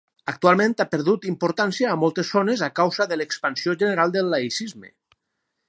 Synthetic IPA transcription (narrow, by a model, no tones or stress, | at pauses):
ək̚t̪ualˠmẽnt̪apəɾðut̪impuɾt̪ansiaːmɔlˠt̪esːonezakawzəðəlekspansioʒəneɾalˠd̪əlːaisizmḛ